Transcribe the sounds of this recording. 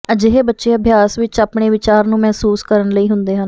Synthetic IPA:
əd͡ʒɪɦeːbətːʃeːəbʱjaːsʋɪt͡ʃapɳeːʋɪt͡ʃaːɾnũːmɛɦsuːskəɾəɳləiːɦʊnd̪eːɦən

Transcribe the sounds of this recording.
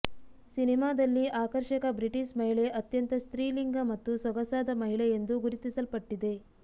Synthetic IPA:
sinimaːd̪ɐlːiʔaːkɐɾʃɐkɐbɾiʈiʃmɐɦiɭe̞ʔɐt̪jɐnt̪ɐst̪ɾiːliŋɡɐmɐt̪ːusɐɡɐsaːd̪ɐmɐɦiɭejend̪uɡuɾit̪isɐlpɐʈːid̪e̞

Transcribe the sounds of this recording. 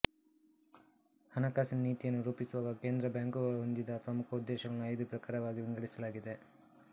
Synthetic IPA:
hɐnɐkaːsinniːt̪ijɐnːuɾuːpisuʋaːɡɐkeːnd̪ɾɐbjaːŋkɐʋɐɦond̪id̪ɐpɾɐmukʰɐud̪ːɛːʃɐɡɐɭnuɐjd̪upɾɐkaːɾɐʋaːɡiʋiŋɡɐɽisɐlaːɡid̪e̞

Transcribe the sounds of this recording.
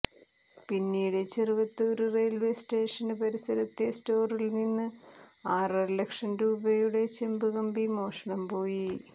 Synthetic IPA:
pinːiːɽe̞t͡ɕeriʋɐt̪ːɨoɾure̞ːlʋe̞sʈe̞ːʂɐnɨpɐɾisɐɾɐt̪ːesto̞ːrilninːɨaːrɐrlekʂɐnɾuːbɐjuɽe̞t͡ɕembuɣɐmbimo̞ːʂɐɳɐmpo̞ːji

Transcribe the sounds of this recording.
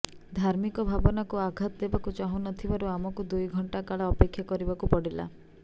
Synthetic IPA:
d̪ʱaɾmikɔbʱabɔnakuaɡʱat̪ɔd̪ebakut͡ʃaɦũnɔt̪ʰibaɾuamɔkud̪ujɡʱɔɳʈakaɭaɔpekʰːjakɔɾibakupɔɽila̰

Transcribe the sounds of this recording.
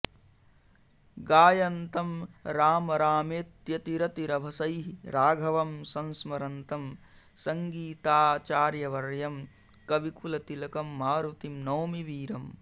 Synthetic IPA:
ɡaːjɐnt̪ɐmɾaːmɐɾaːmeːt̪jɐt̪iɾɐt̪iɾɐbʱɐsɐjɦɾaːɡʱɐʋɐmsɐnsmɐɾɐnt̪ɐm | sɐŋɡiːt̪aːt͡ʃaːɾjɐʋɐɾjɐm | kɐʋikulɐt̪ilɐkɐmːaːɾut̪imnɐːmiʋiːɾɐm

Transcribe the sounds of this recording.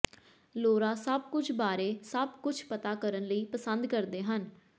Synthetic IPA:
loːɾaːsəb̚kʊt͡ʃʰbaːɾeːsəb̚kʊt͡ʃʰpət̪aːkəɾənləiːpəsənd̪kəɾd̪eːɦən

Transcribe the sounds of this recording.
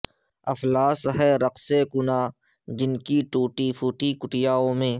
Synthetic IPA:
ɐflaːsɦɛːɾɐqsekʊnaː | d͡ʒɪnkiʈuːʈifuːʈikʊʈɪjaːõːmẽː

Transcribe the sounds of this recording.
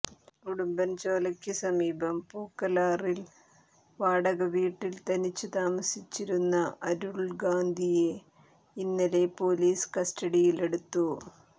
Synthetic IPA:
kuɽumbɐnt͡ɕo̞ːlɐkʲːisɐmiːbɐmpuːkːɐlaːril | ʋaːɽɐɣɐʋiːʈːilt̪ɐnit͡ɕːɨt̪aːmɐsit͡ɕːiɾunːɐʔɐɾuɭɡaːnd̪ʱije | inːɐle̞poːliːskɐstɐɽijile̞ɽut̪ːu

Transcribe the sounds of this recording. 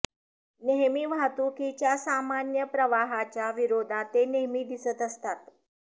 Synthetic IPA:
neɦmiːʋat̪ukit͡ɕjasamanjəpɾəʋaɦat͡ɕjaʋiɾod̪ʱat̪ːeneɦmiːd̪isət̪əst̪at̪

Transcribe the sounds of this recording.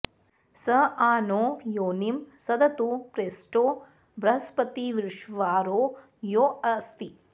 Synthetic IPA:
sɐaːnoːjoːnimsɐd̪ɐt̪upɾeːsʈoː | bɾɐɦɐspɐt̪iʋiɾʂʋaːɾoː | joːɐst̪i

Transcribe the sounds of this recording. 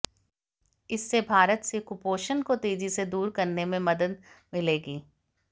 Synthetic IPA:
ɪsːebʱaːɾət̪sekʊpoːʃənkot̪eːzised̪uːɾkɐɾnemẽmɐd̪əd̪̚mɪleːɡiː

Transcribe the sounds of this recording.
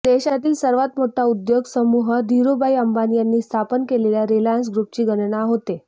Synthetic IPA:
d̪̥eɕat̪iːlsəɾʋat̪moʈʰːaud̪joɡsəmuɦəd̪ʱiɾubaiəmbanijanːiːst̪ʰapənkeleljaɾilajəns̬ɡɾup̚t͡ɕiːɡəɽɳaɦot̪e

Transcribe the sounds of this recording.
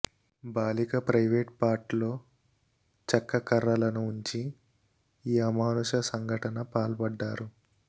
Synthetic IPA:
baːlikɐpɾɐjʋeːʈ̚paːɾʈlo̞ː | t͡ʃɐkːɐkɐɾːɐlɐnuːɲt͡ʃi | iːɐmaːluʃɐsɐŋɡʱɐʈɐnɐpaːlpɐɖːaːɾu

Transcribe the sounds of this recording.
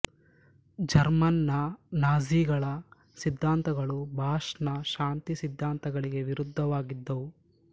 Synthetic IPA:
d͡ʒɐɾmɐnːɐnaːziːɡɐɭɐ | sid̪ʱːaːnt̪ɐɡɐɭubʱaːʂnɐʃaːnt̪isid̪ʱːaːnt̪ɐɡɐɭiɡe̞ʋiɾud̪ʱːɐʋaːɡid̪ːɐʋu

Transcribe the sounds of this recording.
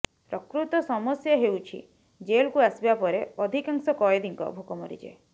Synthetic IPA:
pɾɔkɾut̪ɔsɔmɔsjɔɦewt͡ʃʰḭ | d͡ʒelkuasibapɔɾeɔd̪ʱikaŋsɔkɔjed̪ʱiŋkɔ̰bʱukɔmɔɾḭd͡ʒḛ

